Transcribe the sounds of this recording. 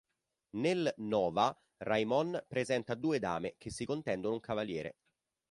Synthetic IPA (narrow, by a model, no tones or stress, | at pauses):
nelnɔːva | rajmɔnpɾezɛnt̪ad̪uːed̪a̰ːmekesːikont̪ɛnd̪onouŋkavaljɛːɾḛ